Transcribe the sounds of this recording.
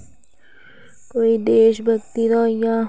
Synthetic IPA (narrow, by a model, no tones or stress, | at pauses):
koid̪eːʃbɐkt̪iɾɑːja